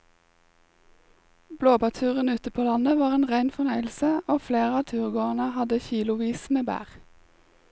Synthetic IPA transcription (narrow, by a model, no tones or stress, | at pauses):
bloːbɑt̪ʰʉːʁənʉːt̪əpʰoːlɑnəʋɑːʁeːnʁæɪnfɔnœʏl̩səoːfleːʁəɑːt̪ʰʉːʁɡoːɑnəhɑd̪əçiːlʊʋiːsmeːbæ̰ːʁ